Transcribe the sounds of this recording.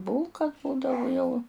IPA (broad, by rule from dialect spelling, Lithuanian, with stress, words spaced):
ˈbuːlˠkɐ ˈbuːdɐʋʊ jɛʊ